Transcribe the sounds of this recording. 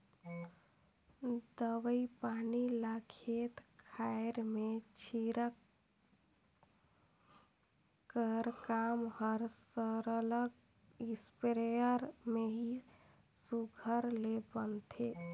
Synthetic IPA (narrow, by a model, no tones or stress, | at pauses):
d̪əʋəipanilakʰet̪kʰaeɾmet͡ʃʰiɾək | əɾkamhəɾsəɾələɡ | ispɾejəɾmeɦi | suɡʱəɾlebənt̪ʰe